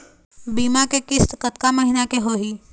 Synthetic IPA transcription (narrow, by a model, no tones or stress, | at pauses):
biːmakekɪst̪kət̪̚kaməɦɪnakeɦoːɦiː